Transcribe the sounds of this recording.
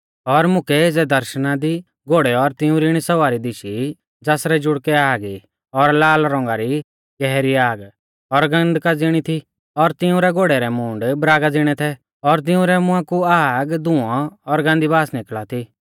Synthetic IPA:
ɔɾmʊkɛeːd͡zɛd̪ɐɾʃnad̪i | ɡoːɽɛɔɾt̪ɪũɾiɽ̃isɐʋaːɾid̪ɪʃi | d͡zaːsɾɛd͡ʒʊɽkɛaːɡi | ɔɾlaːlɾɔ̃ːŋɡaɾi | ɡɛɦɾiaːɡ | ɔɾɡɐ̃nd̪kad͡zɪɽ̃it̪ʰi | ɔɾt̪ɪũɾɛɡoːɽɛɾɛmũːɳɖbɾaːɡad͡zɪɽ̃ɛt̪ʰɛ | ɔɾt̪̬ɪũɾɛmʊ̃ãkuaːɡd̪ʊ̃ɔ̃ːɾɡãːnd̪ibaːsnɪklat̪ʰi

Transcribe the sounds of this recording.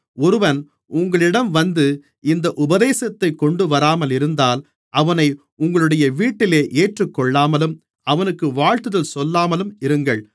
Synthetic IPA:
ɔɾɯʋɐn | ʊŋɡɐɭɪɽɐmʋɐnd̪ɯ | ɪnd̪ɐʔʊbɐðeːsɐt̪ːɐɪkːɔɳɖɯʋɐɾaːmɐlɪɾɯnd̪aːl | ʔɐʋɐnɐɪ | ʊŋɡɐɭɯɽɐjɐʋiːʈːɪleːʔeːʈrɯkːɔɭːaːmɐlɯm | ɐʋɐnɯkːɯʋaːɻt̪ɯðɐlsɔlːaːmɐlɯmɪɾɯŋɡɐɭ

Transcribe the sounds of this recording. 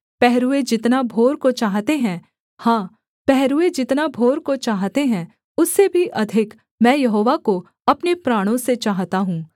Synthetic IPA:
pɛɦɾued͡ʒɪt̪nabʱoːɾkot͡ʃaːɦt̪eɦɛ̃ː | hãː | pɛɦɾued͡ʒɪt̪nabʱoːɾkot͡ʃaːɦt̪eɦɛ̃ | ʊsːebʱiʔɐd̪ʱɪk | mɛ̃ːjɐɦoːʋako | ɐpnepɾaːɽ̃õset͡ʃaːɦt̪aɦũː

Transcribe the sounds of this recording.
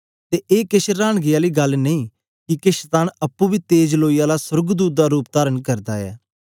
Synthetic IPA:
t̪eːʔeːkɪʃɾaːɳ̃ɡɪjaːliːɡəlnəĩː | kɪkɪʃt̪aːnəpːũːbiːt̪eːd͡ʒloːijaːlasəɾɡd̪uːt̪̚d̪aːɾuːp̚d̪aːɾənkəɾd̪aːɛ̰ː

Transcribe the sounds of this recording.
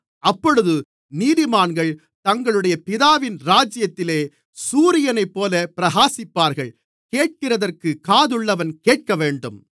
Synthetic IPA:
ɐpːɔɻɯðɯ | niːðɪmaːnɡɐɭ | t̪ɐŋɡɐɭɯɽɐjɐpɪðaːʋɪnɾaːd͡ʒɪjɐt̪ːɪleː | suːɾɪjɐnɐɪpːoːlɐpɪɾɐɣaːsɪpːaːɾɣɐɭ | keːʈ̚kɪrɐðɐrkɯkaːðɯɭːɐʋɐnkeːʈ̚kɐʋeːɳɖɯm

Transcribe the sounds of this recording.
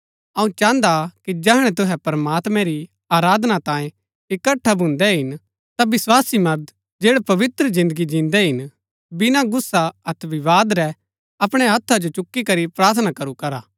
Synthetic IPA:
ɐũt͡ʃãːnd̪akid͡ʒɛɦɽ̃ɛ̃t̪ʊɦɛpɐɾmaːt̪mɛ̃ɾi | aːɾaːd̪nat̪ãːẽ | ɪkɐʈʰːabʱʊ̃nd̪ɛɦɪn | t̪abɪswaːsimɐɾd̪ | d͡ʒeːɽɛpɐʋɪt̪ɾəzɪ̃nd̪əɡid͡ʒĩːnd̪ɛɦɪn | bɪnaɡʊsːaɐt̪ʰʋɪʋaːd̪ɾɛ | ɐpɽ̃ɛɦɐt̪ʰːad͡ʒot͡ʃʊkːikɐɾipɾaːɾt̪ʰnakɐɾukɐɾaː

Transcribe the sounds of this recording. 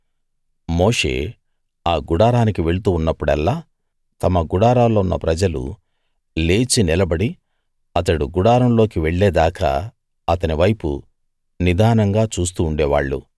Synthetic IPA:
mo̞ːʂe̞̰ː | aːɡuɽaːɾaːnikiʋe̞ɭut̪̬uːnːɐpːuɽɛlːaː | t̪ɐmɐɡuɽaːɾaːlːoːunːɐpɾɐd͡ʒɐlṵ | le̞ːt͡ʃinilɐbɐɽi | ɐt̪ɐɽuɡuɽaːɾɐmlo̞ːkiʋe̞ɭːeːd̪aːkɐ̰ | ɐt̪ɐniʋɐjpṵ | nid̪ʱaːnɐŋɡaːt͡ʃuːs̬t̪uːɳɖɛːʋa̰ːɭːṵ

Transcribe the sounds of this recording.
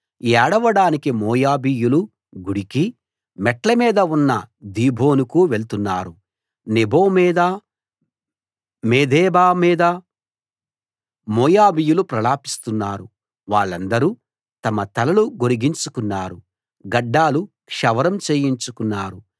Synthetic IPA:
ɛːɽɐʋɐɽaːnikimɔːjaːbijulu | ɡuɽiki | mɛʈlɐmiːd̪ɐunːɐd̪iːbʱo̞ːnukuʋeɭt̪unːaːɾu | nibo̞ːmiːd̪ɐ | meːd̪ɛːbaːmiːd̪ɐ | mɔːjaːbijulupɾɐlaːpi̥st̪unːaːɾu | ʋaːɭːɐnd̪ɐɾu | t̪ɐmɐt̪ɐlɐluɡoɾiɡiɲt͡ʃukunːaːɾu | ɡɐɖːaːlu | kʂɐʋɐɾɐmt͡ʃeːjiɲt͡ʃukunːaːɾu

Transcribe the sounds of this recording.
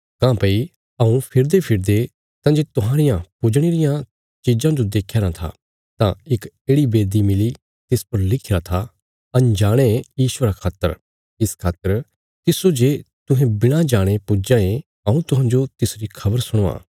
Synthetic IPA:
kãːpɐi | ɐũpʰɪɾd̪epʰɪɾd̪e | t̪ãːd͡ʒeːt̪ʊɦãːɾɪjãpʊd͡ʒɽ̃eːɾɪjã | t͡ʃiːd͡ʒãːd͡ʒod̪eːkʰːjaːɾãt̪ʰa̰ː | t̪ãɪk | eːɽibeːd̪imɪli | t̪ɪspɐɾlɪkʰiɾat̪ʰa | ɐ̃nd͡ʒaːɽ̃ejiːʃʊʋəɾakʰaːt̪ə̰ɾ | ɪskʰaːt̪əɾ | t̪ɪsod͡ʒeːt̪ʊɦɛ̃bɪɽ̃ãd͡ʒaːɽ̃epʊd͡ʒãe | ɐũt̪ʊɦãːɲd͡ʒot̪ɪsɾikʰɐbəɾsʊɽ̃oːã̰ː

